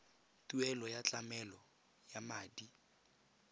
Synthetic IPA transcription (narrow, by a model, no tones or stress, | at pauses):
tuɛlɔjat͡ɬamɛlɔ | jamaːdi